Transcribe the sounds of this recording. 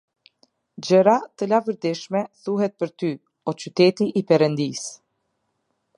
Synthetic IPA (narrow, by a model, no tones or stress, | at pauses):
d͡ʑəɾat̪əlavəɾd̪iʃmɛθuɦɛt̪̚pəɾt̪y | ɔt͡ɕyt̪ɛt̪iʔipɛɾənd̪is